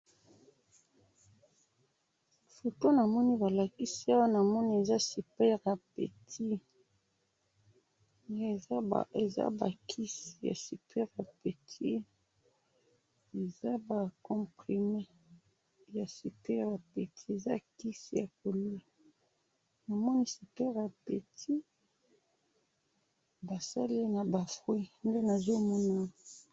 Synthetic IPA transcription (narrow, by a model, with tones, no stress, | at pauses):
fo˨to˦na˨mɔ˦ni˦ba˨la˨ki˦si˦a˦wa˦na˨mɔ˦ni˦e˨za˦si˨pɛ˦ʁja˨pḛ˨tʰi˦ | e˨˦˨e˨za̰˦ba̰˨kʰi˦si˨ja̰˨si˨pʰɛ˦ʁja˨pe˨tʰi˦ | e˨za˦ba˨kɔ̃˨pχi˨me˦ | ja˨si˨pɛ˦jba˨pe˨tʰi˦e˨za˦ki˦si˨ja˨ko˨lwe˦ | na˨mɔ˦ni˦si˨pɛ˦ʁja˨pe˨tʰi˦ | ba˨sa˦li˦na˨ba˨fʁwi˦nde˦na˨zo˦mɔ˦na˦